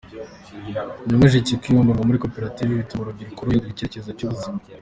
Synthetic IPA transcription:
ɲaŋweʒicikiβombaɡamuɾiko̞peɾativiβitumuɾobɟiɾikuɾujidiɾiceeceɾezacuβuzima

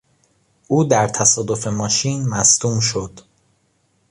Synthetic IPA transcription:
ʔuːd̪æɾt̪ʰæsɒːd̪o̞fe̞mɒːʃiːnmæst̪uːmʃo̞d̪̥

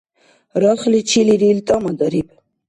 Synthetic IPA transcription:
ɾaχlit͡ʃʰiliɾilt̪ʼamad̪aɾib

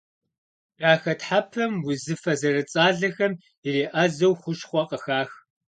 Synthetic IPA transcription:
raːxɐtħapʰɐmwʊzɨfɐzɐrɨt͡sʼaːɮɐxɐm | ireːʔɐzɐwχʷʊʃχʷɔqʼəxaːx

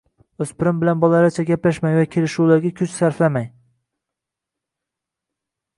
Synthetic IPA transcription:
ɵzpɪɾɪmbɪlanbɒlˠaɾat͡ʃʰaɡʲaplaʃmajvakʲʰe̞lɪʃulaɾɡʲakʲʰʊt͡ʃsaɾflamaj

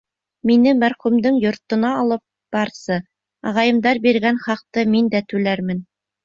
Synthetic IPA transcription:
minɘmæɾχʉmd̪ɘŋjŏɾt̪ɤ̆nɑːlˠɤp̚ | b̥ɑɾsɤ | ɑʁɑjɤ̆md̪ɑɾbiɾɡænχɑq̚t̪ɤmind̪æt̪ʉlæɾmɘn

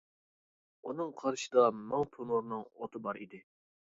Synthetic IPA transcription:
unɨŋqʰɑɾʃɨd̪ɑmɑŋpʰonuɾnɨŋo̰t̪ʰɨbɑɾḭd̪ɪ

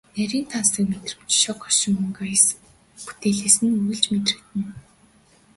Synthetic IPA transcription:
næɾʲiːnt̪ʰansə̆kmet̪rɘ̆w̥t͡ɕʃɔqɔʃɪ̆ŋɵŋɡajs | pu̥t̪eɮiːsɘ̆nŭɮt͡ɕmet̪rɘ̆kt̪ɘ̆n

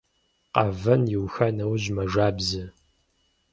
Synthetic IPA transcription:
qɑvɐnjɪwxɐnɐwʑmɐʐaːbzɨ

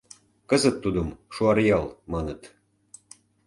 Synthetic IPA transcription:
kɤzə̆t̪ːud̪əmʃuɑrjɑlmɑnət̪

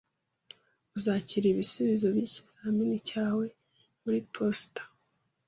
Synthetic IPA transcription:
uzaciɾiβisuβizo̞βici̥z̥aminicaːwe̞ | muɾipʰostḁ

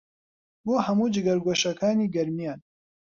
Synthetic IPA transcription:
boːhɐmuːd͡ʒɨɡɐɾɡoʃɐkʰaːniːɡɐɾmijaːn

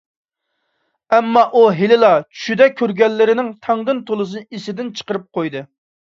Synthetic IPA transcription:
ɛmːɑʔuɦelɪlˠɑt͡ʃʰy̥ʃyd̪ɛkʲʰːøɾɡʲɛlːɪɾɪnɪŋt̪ʰɑŋd̪ɨnt̪ʰolˠɨs̬ɨnɨisɪd̪ɪnt͡ʃʰə̥qəɾɨp̚qʰojd̪ɨ

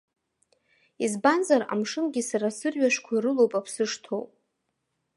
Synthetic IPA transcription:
izbanzara̰mʂɨmɡʲisaɾasɨrɥaʃʷkʷʰaiɾɨlo̞wpʼapʰsɨʂtʰo̰wpʼ

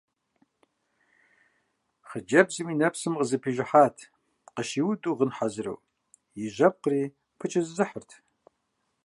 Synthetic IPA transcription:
χəd͡ʒɐbzɨmiːnɐpsɨmqəzɐpʰiːʒɪħaːtʰ | qəʃiːwdʼuʁənħazɨrɐ̰w | jiʒʷɐp̚qəriː | pʰɨt͡ʃʼɪzɨzɨħərtʰ

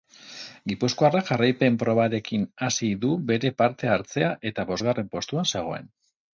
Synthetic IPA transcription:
ɡipuskoaraʝarajpe̞mpɾo̞β̞aɾe̞kinasiðube̞ɾe̞paɾt̪e̞aɾt͡se̞aʔe̞t̪aβo̞zɣare̞mpo̞st̪uanse̞ɣ̞o̞e̞̰n

